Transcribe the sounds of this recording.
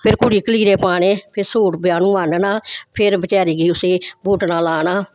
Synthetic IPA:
pʰɪɾkʊɽiːkəliːɾeːpaːnẽːpʰɪɾsoːʈbɪjaːnũːʋaːnnaːpʰɪɾbət͡ʃaːɾiːɡiːʊseːbuːʈnãːlaːnaː

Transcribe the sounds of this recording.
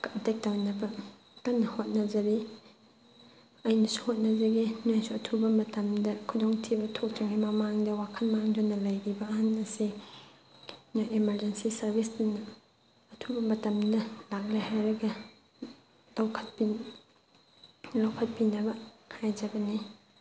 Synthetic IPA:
tejk̚tawnɐbɐ | kɐnːɐhot̚nɐd͡ʒɐɾi | ɐjnɐsu̥hot̚nɐd͡ʒɐɡiniojsuɐtʰubɐmɐtɐmdɐkʰudoŋtʰibɐtʰok̚t͡ʃɐŋɡimɐmaŋdɐwakʰɐnmaŋdonːɐlɐjɡibɐːhanɐsi | najimɐɾd͡ʒensisɐɾbʱisdinɐː | tʰubɐmɐtɐmdɐlak̚lajhajɾɐɡɐ | lawkʰɐt̚pi | lawkʰɐt̚pinɐbɐkʰajd͡ʒɐbɐni

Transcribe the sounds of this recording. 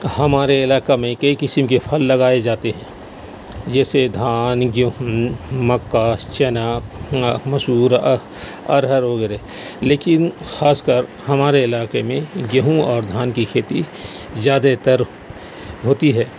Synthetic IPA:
hɐmaːɾeɪlaːkamẽkɐikɪsəmkepʰəlːɐɡaːed͡ʒaːt̪eɦɛ̃ː | d͡ʒɛːsed̪ʱaːnɡjɐɦmɐkːaːt͡ʃɛnaː | mɐsuːɾ | ɐ̰ɾɦəɾɦoɡɐɾe | leːkɪnxaːskəɾ | ɦɐmaːɾeɪlaːkemẽɡjɐɦũɔːɾd̪ʱaːnkikʰeːt̪i | zjaːd̪et̪əɾ | ɦoːt̪iɦɛː

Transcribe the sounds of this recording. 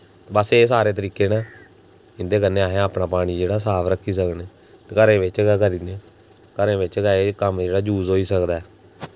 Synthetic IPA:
bəseːsaːɾeːt̪əɾiːkeːnãː | ɪnd̪eːkənːeːaːɦẽːaːpɽaːpaːɽ̃iːd͡ʒeːɽaːsaːpʰɾəkʰːiːsəkneː | kəɾẽːʋɪt͡ʃːkəɾiːneː | kəɾẽːʋɪt͡ʃɡəekəmd͡ʒeːɽaːd͡ʒuːzɦoːiːsəkd̪aɛː

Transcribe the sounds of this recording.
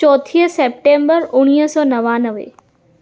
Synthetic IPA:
ɔːt̪ʰiːɦseːp̚ʈẽːmbəɾʊɽ̃iːɦsɔːnɐʋãnəʋḛ

